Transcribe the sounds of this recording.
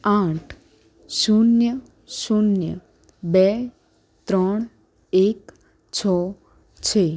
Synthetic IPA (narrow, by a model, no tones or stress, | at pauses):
aʈʰ | sunjə | sunjə̰ | bɛ | t̪ɾəɽ̃ | ek | t͡ʃʰɔ | t͡ʃʰe